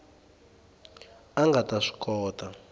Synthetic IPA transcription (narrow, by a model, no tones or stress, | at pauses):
aŋɡʱataʂi̥kʼɔːtʼa